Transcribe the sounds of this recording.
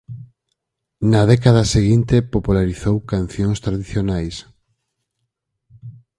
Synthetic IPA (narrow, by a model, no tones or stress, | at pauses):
naðɛkað̞aseɣint̪epopulaɾiθowkanθjõŋst̪ɾaðiθjonajs